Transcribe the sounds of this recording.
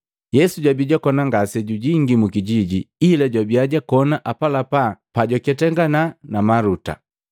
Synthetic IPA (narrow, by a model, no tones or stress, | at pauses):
jɛsuɟwabiɟakɔnaŋɡasɛɟuɟiŋɡimukiɟiɟiilaɟwabiaɟakɔnaʔapalapapaɟɔkɛtɛŋɡananamaɾuta̰